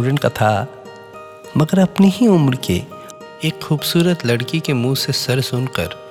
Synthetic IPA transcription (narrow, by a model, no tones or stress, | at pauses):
ɾənkat̪ʰa | mɐɡəɾɐpneɦiʊmɾkḛ | eːkxuːbsuːɾət̪lɐɽkikemũːsesɐɾsʊnkə̰ɾ